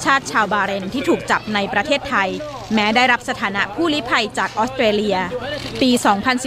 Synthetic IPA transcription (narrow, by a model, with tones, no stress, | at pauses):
t͡ɕʰaː˥˩t̪̚t͡ɕʰaː˧wbaː˧ɾe˧nt̪ʰiː˥˩t̪ʰuː˨˩k̚t͡ɕa˨˩p̚na˧jpɾa˧t̪ʰeː˥˩t̪ʰːa˧j | mɛː˦˥daː˥˩jɾa˦˥p̚sa˧t̪ʰaː˩˦na˦˥ʔpʰuː˥˩liː˦˥pʰa˧jt͡ɕaː˨˩k̚ʔɔː˦˥st̪ɾeː˧li˧ɐpiː˧sɔː˩˦ŋpʰa˧nsi˨˩